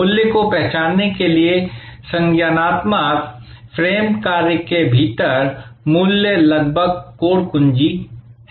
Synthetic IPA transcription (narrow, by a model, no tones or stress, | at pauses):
uljəkopɛɦt͡ʃaːnːekeliesɐ̃ŋɡjanaːt̪mak | fʰɾeːmkaːɾjəkebʱiːt̪əɾmuːljəlɐɡ̚bʱəɡ̚koːɽkʊ̃nd͡ʒi